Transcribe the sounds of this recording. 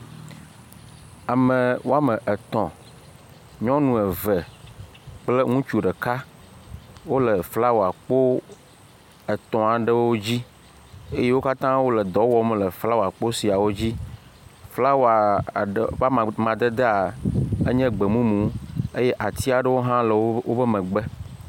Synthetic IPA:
a˨mə̃˨wo˦a˦mə̃˨ʔɛ˨t̪ɔ̃˨ | ɲɔ̃˦nũ˨ɛ˨və˨ | k͡ple˦ŋũ˦t͡ʃu˨ɖə˨ka˦ | wo˦lə˨fla˦wo˨a˨k͡po˦ | ə˨t̪ɔ̃˨a˨ɖə˦wwo˦d͡ʑi˦ | e˦je˦wo˦ka˦t̪ã˦wo˦lɛ˨d̪ɔ˨wɔ˨˦m˦lə˨fla˦wo˨a˨k͡po˦si˨a˨wo˦d͡ʑi˦ | fla˦wo˨a˨ | a˦˨mã˨d̪e˦d̪e˦a˨e˦ɲɛ̃˦ɡ͡be˨mũ˦mũ˨˦e˦jɛ˦ʔa˨t̪i˦a˨ɖə˦wo˦ɦã˦lə˨wo˦bə˦mɛ̃˨ɡ͡bɛ˦

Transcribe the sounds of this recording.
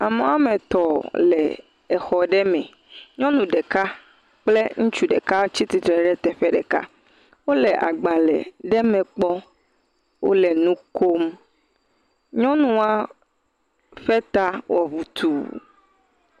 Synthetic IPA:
a˨mẽ˨˦a˦mẽ˨t̪ɔ˨lɛ˨ | ɛ˨xɔ˨ɖɛ˦mɛ̃˨ | ɲɔ̃˦nũ˨ɖɛ˨ka˦ | k͡ple˦ŋũ˦t͡ʃu˦ɖḛ˨ka˦t͡ɕi˦t̪i˨t̪ɾɛ˨ɖɛ˦t̪ɛ˨ɸɛ˦ɖɛ̰˨ka̰˦ | wo˦lɛ˨ʔa̰˨ɡ͡ba˨lɛ̰˨ɖɛ˦mɛ̃˨k͡pɔ˦ | wo̰˦lɛ˨nũ˦ko˦m | ɲɔ̃˦nũ˦a˦ | ɸɛ˦t̪a˦wɔ˨βu˨t̪u˨

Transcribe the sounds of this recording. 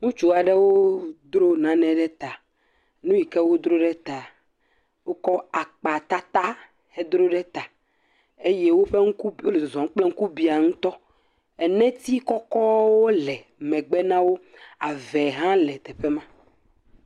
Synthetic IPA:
ŋũ˦t͡ʃu˦a˨ɖɛ˦wo˦d̪ɾo˦nã˨nɛ̃˨ɖɛ˦t̪a˨ | nũ˦ji˨kɛ˦wo˦d̪ɾo˦ɖɛ˦t̪a˨ | wo˦kɔ˦a˨k͡pa˨t̪a˦t̪a˦ | he˦d̪ɾo˦ɖɛ˦t̪a˨ | e˦je˦wo˦ɸe˦ŋũ˦ku˦o˦le˨zɔ̃˨ŋ˦k͡plɛ˦ŋ̩̃˦ku˦bi˦a˨ŋũ˦t̪ɔ˦ | ɛ˨nɛ̃˦t̪i˦kɔ˦kɔ˦wo˦lɛ˨ | mɛ̃˨ɡ͡bɛ˦nã˦wo˦ | a˨vɛ˨ɦã˦lɛ˨t̪ɛ˨ɸe˦mã˦

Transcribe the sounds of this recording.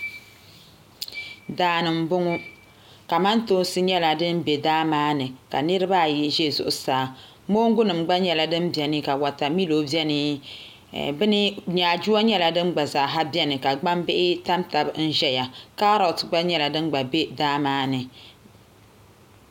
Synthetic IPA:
daː˨˦nɨ˨m̩˦bʊ˦ŋʊ˦ | ka˨ma˦nto˦nsɨ˦ɲɛ˦la˨dɨ˦nbe˨daː˦maː˦nɨ˨ka˨nɨ˦ɾɨ˦ba˦˨ji˦ʒe˦˨zʊ̰˨ʔʊ˨saː˨˦˨ | mo˦ŋ˦ɡʊ˦nɨ˨mɡ͡ba˦ɲɛ˦la˨dɨ˦mbɛ˨nɨ˦ka˨wa˨ta˨mi˦lo˨˦bjɛ˦nɨ˦ | bɨ˦nɨ˦ɲaː˨d͡ʒu˦a˦ɲɛ˦la˨dɨ˦mɡ͡ba˨zaː˨ɦa˦bjɛ˦nɨ˨ka˨ɡ͡ba˦mbɪ˦ʔɪ˦ta˦mta˨bn̩˦ʒɛ˦ja˨ka˦ɾɔ˨tɡ͡ba˦ɲɛ˦la˨dɨ˦nɡ͡ba˨be˦daː˦maː˦nɨ˨

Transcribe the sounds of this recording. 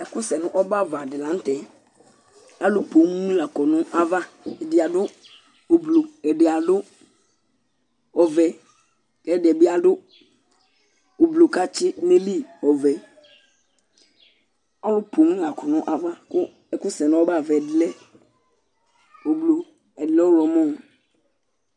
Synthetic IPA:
ɛ˨kʊ˦sɛ˨nʊ̃˦ʔɔ˦ba˦˨va˨dɪ˨lã˨n˦tɛ˨ | a˦lʊ˦po˨˦mu˦mũ˦la˨kɔ˨nʊ̃˦ʔa˦va˦ɛ˨dɪ˨a˨dʊ˦ | o˨blo˨ɛ˨dɪ˨a˨dʊ˦ | ɔ˨vɛ˨ | kɛ˦dɪ˨ɛ˨bɪ˦a˨dʊ˦ | o˨blo˨ka˦t͡ʃɪ˦mẽ˦li˦ɔ˨vɛ˨ | a˦lʊ˦po˨mũ˦la˨kɔ˨nɔ̃˦ʔa˨va˦kʊ˦ | ɛ˨kʊ˦sɛ˨nɔ̃˦wo˦ba˦˨vɛ˨dlɛ˦ | o˨blo˨ | ɛ˨dlɛ˦wo˦ɾɔ˨mɔ̃˦˨

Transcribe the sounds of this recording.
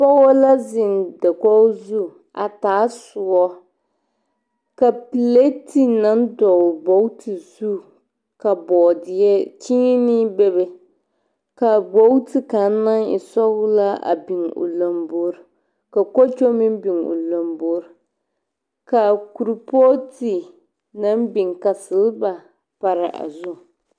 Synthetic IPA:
pɔ˦wo˦la˦zɪ˨ndɛ˨kɔ˦zu˦ | a˨taː˨˦sʊ˨ɔ˦ | ka˨pi˨le˦ti˦na˦ndɔ˨bo˨˦wu˦tʰi˨zu˦ | ka˨bɔː˨dɪ˨ɛ˦t͡ʃi˦ɲi˦nɪ˦bɛ˦bɛ˨ | ka˨bo˦wti˨ka˨˦na˦ŋɪ̰˨sɔ˦ɣʊ˦la˦ʔa̰˨bɪ˨ŋʊ̰˨la˨mbo˦ɾ | ka˨ko˦t͡ʃo˦mɪ˦m˦bɪ˨ŋo̰˨lo˨mbo˦ɾ | ka˨ku˨ɾu˨po˦ti˨ | na˦mbɪ˨ŋka˨sɨ˨lba˨ | pa˨ɾɪ˨ʔa̰˨zʊ˦

